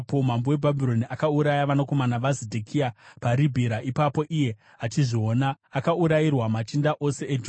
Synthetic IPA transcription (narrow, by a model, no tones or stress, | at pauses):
pom̤ambowe̞bʱabʱiɾo̞niʔakauɾajaʋanoko̞manaʋazidʱekʰiapaɾibʱiɾaʔipapo̞ʔije̞ | at͡ʃiʐioːnaːkauɾajirwamat͡ʃindaʔo̞se̞ʔed͡ʒ